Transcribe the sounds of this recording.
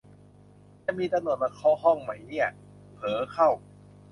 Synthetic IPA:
t͡ɕa˧˩miː˧t̪a˧mnu˨˩ən̚ma˧˩kʰɔː˧˥˩ɦɔ˥˩ŋma˦jni˥˩ɐ | pʰɤː˨˦kʰa˥˩w

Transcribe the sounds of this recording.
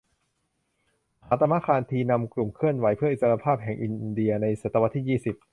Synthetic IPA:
haː˩˦˥t̪a˧mːa˧˥kʰaː˧nt̪ʰiː˧na˧mklu˨˩mkʰɯ˥˩ənwa˩˦jpʰɯ˥˩ɐʔi˨˩sa˧ɾa˧pʰaː˥˩p̚ɦɛ˨˩ŋʔi˧ndi˧ɐna˧jsa˨˩t̪ːa˧wa˦t̪ʰːiː˥˩jiː˥˩si˨˩p̚

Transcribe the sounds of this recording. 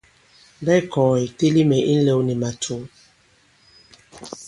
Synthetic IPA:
dɛ˦jkɔː˨i˨te˦li˦mɛ˨ʔi˦n̩˦le˦wni˨ma˨tʰu˨˦

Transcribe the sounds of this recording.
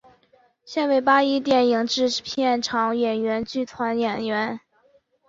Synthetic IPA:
ɕjɛ˥˧nwe˥˩ɪpa˥i˥t̪̬jɛ˥˩ni˧˩ŋʈ͡ʂɻ̩˥˧pʰjɛ˥˩nʈ͡ʂʰɑ˧˥ŋjɛ˨˩nɥɛ˧˥nt͡ɕy˥˩t̪ʰwa˧˥njɛ˨˩nɥɛ˧˥n

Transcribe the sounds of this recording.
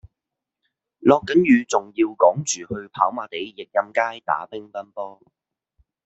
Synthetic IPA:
lɔː˨˧kːɐ˨˥njyː˨˧t͡sʊ˨ŋjiː˧wkɔː˨˥ŋt͡ʃyː˨˩hɵ˧ɥpʰaː˨˥wmaː˨˩t̪e˨˥jːɪ˨k̚jɐ˧mkaː˥jt̪a̰ː˨˥pɪ˥ŋpɐ˥npɔː˥

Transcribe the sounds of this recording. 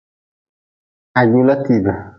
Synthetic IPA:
a˨ɟu˦la˦ti˨ba˨

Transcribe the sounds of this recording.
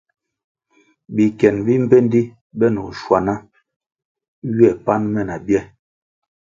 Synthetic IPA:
bi˨kɛ˨nbi˦m̩˦be˦n˦di˦ | bɛ˦nɔ˨ʃwa˨na˦ | ɥi˦ɛ˦˨pa˦nmɛ˦˨na˨bjɛ˦

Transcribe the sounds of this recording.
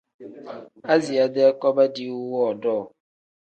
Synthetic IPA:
a˦zi˨a˨de˦a˦kɔ˦ba˦di˦wu˦wɔ˦˨dɔː˦˨

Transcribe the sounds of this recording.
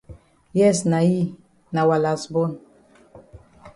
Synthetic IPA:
jɛ˦˨sna˨ji˦ | na˨wa˨la˨sbo˦n

